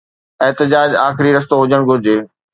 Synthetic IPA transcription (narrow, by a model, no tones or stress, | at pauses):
ɪɦt̪ɪd͡ʑaːd͡ʑaːxɪɾiɾɐs̬t̪oɦʊd͡ʑəɽ̃ɡʱʊɾɪd͡ʑeː